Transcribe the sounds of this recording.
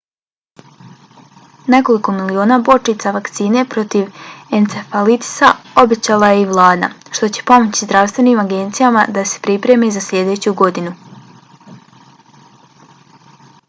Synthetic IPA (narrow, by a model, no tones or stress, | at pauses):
ne̞ko̞liko̞milio̞ːnabo̞t͡ʃit̪saʋakt̪siːne̞pɾo̞t̪iʋent̪sefalit̪i̥sao̞be̞t͡ɕaːlajeiʋlˠaːd̪a̰ʃt̪o̞t͡ɕe̥po̞mo̞t͡ɕizd̪ɾaʋst̪ʋe̞niːmaɡe̞nt̪sijamad̪ase̥pɾipɾe̞mezaslʲʎʲe̞d̪e̞ːt͡ɕuɡo̞d̪inu